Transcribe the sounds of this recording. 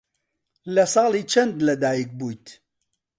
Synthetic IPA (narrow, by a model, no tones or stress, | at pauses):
lɐsɑːliːt͡ʃʰɐnd̪lɐd̪aːjik̚buːjt̪